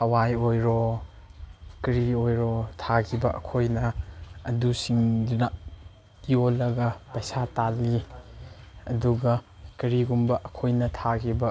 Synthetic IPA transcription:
hɐwajojɾɔ | kɾiojɾɔtʰakʰibɐʔɐ̰kʰojnɐː | dusiŋdnɐ | jolːɐɡɐpɐjsatali | ɐduɡɐkɐɾiɡumbɐʔɐkʰojnɐtʰakʰibɐ

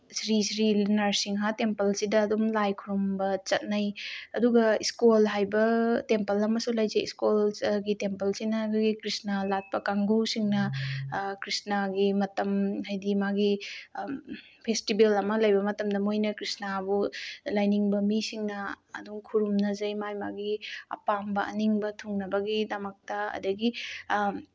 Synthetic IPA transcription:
sɾisɾilinaɾsiŋɦatempɐlsidɐːdumlajkʰuɾumbɐt͡ʃɐt̚najɐduɡɐiskolɦajbɐtempɐlɐmɐsulajzejḭskolɡitempɐlsinɐɡɡikɾisnalat̚pɐkaŋɡusiŋnɐ | kɾisnaɡimɐtɐmɦajdimaɡi | pʰestibelɐmɐlajbɐmɐtɐmdɐmojnɐkɾisnabulajniŋbɐmisiŋnɐ̰ː | duŋkʰuɾumnɐzɐjmajmaɡiɐ̰pambɐʔɐ̰niŋbɐtʰuŋnɐbɐɡidɐmɐk̚tɐɐ̰dɐɡi

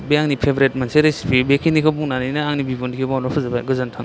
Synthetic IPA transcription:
bejaŋnipʰebɾet̚manseɾesi̥pibekʰinikʰabuŋnaninɐaŋnibibundikʰibawnɔpʰɯzabaɡɯzantʰaŋ

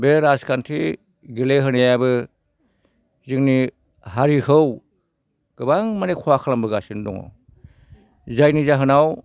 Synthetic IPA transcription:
beɾaskʰantʰi | ɡeleɦɯnajabɯ | ziŋni | haɾihɯw | ɡ̥ɯbaŋmanekʰwakʰalambɯɡasindɔ̰ŋɔ̰ | zajnizaɦɯnaw

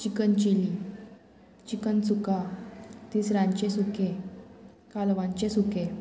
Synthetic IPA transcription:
t͡ɕikənt͡ɕili | t͡ɕikənt͡sukat̪iːsɾãɲt͡ɕesuke | kalʋãɲt͡ɕesuke

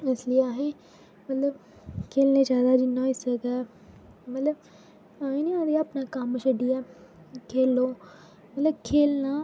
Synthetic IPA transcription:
ɐsliaːɦe | mɐt̪ləb | kʰeːlned͡ʒaːd̪ad͡ʒiːnɔːisəɡaː | mɐt̪ləb̚ | aːɦẽnĩãd̪iɐpnakamʃɐɖiɛː | kʰeːlõː | mɐt̪ləb̚kʰeːlna

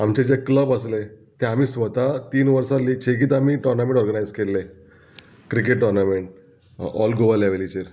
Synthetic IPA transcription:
amt͡ɕed͡zekləbəslet̪ẽam̤iːsʋət̪at̪iːnʋəɾsalːiːt͡ɕʰeɡiːt̪amiːʈɔɾnamẽɳʈɔɾɡənajd͡zkelːe | kɾikeʈːɔɾnameɳʈ̚ | ɔlɡobalaʋelit͡ɕeɾ

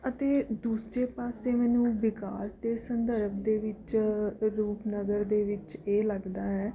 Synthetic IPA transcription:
ət̪eːd̪uːsd͡ʒeːpaːseːmɛːnũːʋɪkaːsd̪eːsənd̪əɾəpʰd̪eːʋɪt͡ʃɾuːpnəɡəɾd̪eːʋɪt͡ʃeːləɡd̪aːɦɛː

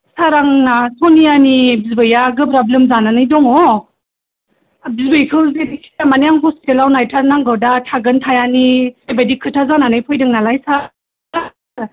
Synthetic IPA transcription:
saɾaŋnasɔnijanibizbɯjaɡɯpɾablemzananɯjdɔŋɔ | bizbɯjkʰɯlzedisiamanijaŋɦɔstelawnajtʰaɾnaŋɡɯwdatʰaɡɯntʰajaniajbadikʰɯtʰazananɯjpʰɔjdɯŋnalajsa | a

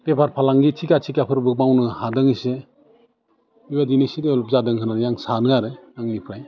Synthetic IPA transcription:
pepʰaɾpʰalaŋɡitʰikatʰikapʰɯɾbɯk̚mawnɯhadɯŋise | iwadinisideɔlɔp̚zadɯŋkʰɯnaɾɯjaŋsanɯaɾɯnaŋnipʰɾaj

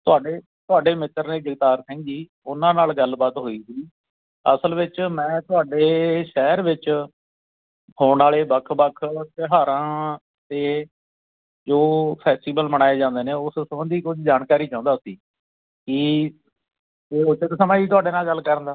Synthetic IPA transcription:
t̪ʊaːɖeː | t̪ʊaːɖeːmɪt̪ːəɾneːd͡ʒəɡt̪aːɾsɛ̃ːŋɡiː | ʊnãːnaːlɡəlbaːt̪ɦoːiːsiː | ə̰səlʋɪt͡ʃmɛ̃ːt̪ʊaːɖeːʃɛːɾʋɪt͡ʃ | hoːnaːleːbəkʰbəkʰt̪eɦaːɾãː | t̪eː | d͡ʒoːpʰɛːsʈiːbəlməɽ̃aːeːd͡ʒãːnd̪eːnẽːʊssəbənd̪iːkʊd͡ʒd͡ʒaːnkaːɾiːt͡ʃãːnd̪aːʊsiː | ki | eːot͡ʃət̪səmaːiːt̪ʊaːɖeːnaːlɡəlkəɾə̃nd̪aː

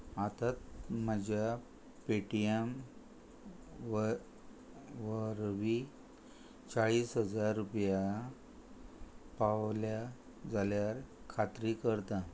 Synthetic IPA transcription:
at̪at̪məd͡ʑja | peʈiem | ʋəɾʋi | t͡saɭiːsɦəd͡zaɾːupja | paʋlja | d͡zaljaɾ | kʰat̪ɾikəɾt̪a

